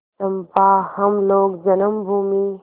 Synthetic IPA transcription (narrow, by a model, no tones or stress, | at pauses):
sɐmpaːhɐmloːɡd͡ʒɐnɐmbʱuːmi